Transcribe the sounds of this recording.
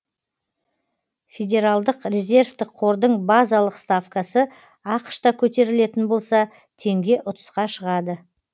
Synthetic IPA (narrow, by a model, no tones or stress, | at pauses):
fʲedʲe̞ɾalˠd̪əqrʲe̞zʲe̞rvt̪ɪqʰːo̞ɾd̪əɴbazalˠəqst̪afkasə | ɑqʃt̪ɑkʲʰɵt̪e̞ɾɪle̞t̪ɪnbo̞lˠsɑ | t̪ʰe̞ŋɡʲe̞ʔʊt̪ə̥sqɑʃəʁɑd̪ə